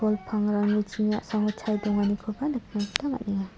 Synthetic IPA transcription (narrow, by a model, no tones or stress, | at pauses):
ɔlpʰaŋɾaŋɯt͡ʃʰinasaŋɔt͡ʃʰajdɔŋanikʰɔbanɯk̚ʰnaɡtama̰t̚niŋa